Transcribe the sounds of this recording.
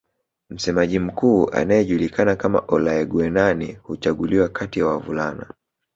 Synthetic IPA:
m̩sɛmaʄim̩kuːa̰najɛʄulikʰanakama̰ʔɔlaɛɡwɛnanihut͡ʃaɠuliwakʰatijawavṵlana̰

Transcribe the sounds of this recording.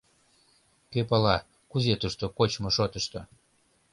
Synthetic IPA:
køpɑlɑ | kuzet̪uʃt̪okot͡ɕmoʃot̪əʃt̪o

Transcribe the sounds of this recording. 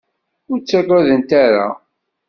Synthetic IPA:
ʊɾt͡sːaræðənt̪aɾa̰

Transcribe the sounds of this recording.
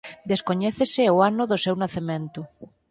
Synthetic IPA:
d̪eskoɲeθeseoanoðosewnaθemẽnt̪u

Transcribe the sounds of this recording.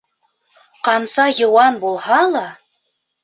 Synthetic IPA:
qɑnsɑjŏwɑnbulˠhɑlˠɑ

